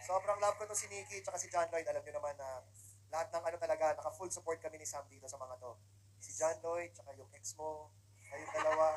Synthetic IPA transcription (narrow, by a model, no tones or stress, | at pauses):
so̞ːbɾɐŋlɐab̚kot̪osɪniːkit͡ʃɐkasɪd͡ʒanlo̞jd̪̚ʔɐlɐmɲonɐmanːɐ | lɐhat̪̚nɐŋʔɐno̞t̪ɐlɐɡanɐkɐfulsʊpoɹt̪̚kɐmɛnɪsamd̪iːt̪o̞sɐmɐŋat̪o̞ | sɪd͡ʒanloj̚t͡ʃɐkajʊŋʔɛksmo | ɐjʊŋd̪ɐlɐwa